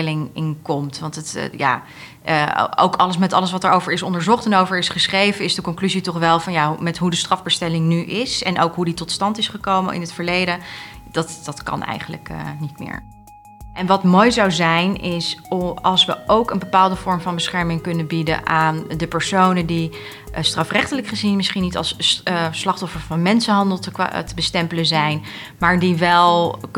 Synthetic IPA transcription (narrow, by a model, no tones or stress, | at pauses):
lɪŋɪnkɔmtʋɑntətja̰ː | o̰wkɑləs̬mɛtɑləs̬ʋɑtɛːɹowvəɹɪsɔndəɹzɔχtɛnowvəɹɪsχəsχrejvəɪzdəkɔŋklyzitɔχʋɛlˠvɑnjamɛtɦudəstrɑvbəstɛlɪŋnyʔɪsɛnʔowkɦuditɔtstɑntɪsχəkowmə̰nʔɪ̰nətfəɹlejdə | d̥ɑtd̥ɑtkɑ̰nʔɛ̰jχənlə̰knitmɪ̰ːɹ | ʔɛnʋɑtmojzɑwzɛjnɪsɑlˠsʋə̰ʔowkənbəpaːlˠdəvɔɹmvɑnbəsχɛɹmɪŋkɵnənbidə̰ʔaːndəpəɹsownədi | strɑfrɛχtələkχəzinmɪsχinːitɑ̰lˠsslɑχtɔfəɹvɑnmɛnsənɦɑndəlˠttəbəstɛmpələnzɛjn | maːɹdiʋɛlˠ